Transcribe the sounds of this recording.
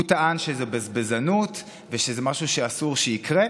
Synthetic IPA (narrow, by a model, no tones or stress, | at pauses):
ut̪aanʃezebezbezanut̪ | veʃezemaʃuʃeasuʁʃeikʁe